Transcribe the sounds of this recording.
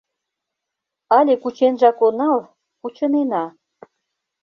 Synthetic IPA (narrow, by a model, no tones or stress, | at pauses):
ɑlʲekut͡ɕenʒɑkonɑl | kut͡ɕɤ̆nenɑ